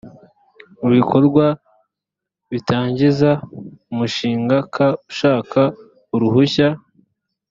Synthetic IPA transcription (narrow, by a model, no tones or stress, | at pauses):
uβikʰo̞ɾɡwa | βitaːɲɟizaumuʃiːŋɡakʰauʃaːkʰa | uɾuhuça